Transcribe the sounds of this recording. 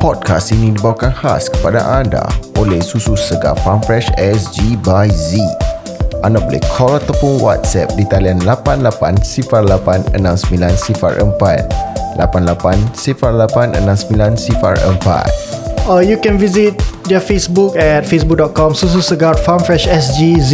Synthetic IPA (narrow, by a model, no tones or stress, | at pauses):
pɔd̚kʰastinĩdibawakanhaskə̥pada̰ʔanda̰ʔolehsususəɡa̰rfamfɾɛʃɛsd͡ʒibajzi | ʔandabolɛ̰hkʰɔlat̪awpʊnwa̰t̪̚sɛp̚dit̪alianlapanlapansifarlapanə̰nãmsəmilansifa̰rʔəmpat̪̚la̰panlapansifarlapanʔə̰nãmsəmĩlansifa̰rə̰mpa̰t̪̚ajukɛ̃nvizit̚dɔfesbukɛt̚fesbuk̚dɔt̚kɔ̃msus̬usəɡarfamfɹɛʃɛsd͡ʒizi